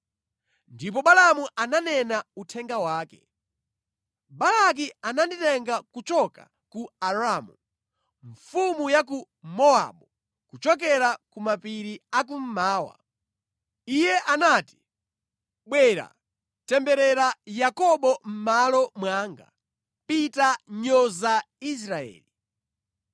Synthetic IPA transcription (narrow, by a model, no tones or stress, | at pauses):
ndip̬ɔɓalamuʔananɛnautʰɛŋɡawaːkɛ̥̰ | balak̬iananditɛŋɡakut͡ʃɔka̰ | kuaɾaːmu | ɱfumujak̬u | mɔa̰ɓu | kut͡ʃɔk̬ɛɾakumapiɾiak̬um̩maːwa̰ | ijɛʔanaːti̥ | ɓwɛɾa̰ | tɛmbɛɾɛɾajakɔɓɔm̩malɔmwaːŋɡa̰ | pitaɲɔza | is̬ɾaɛ̰ːli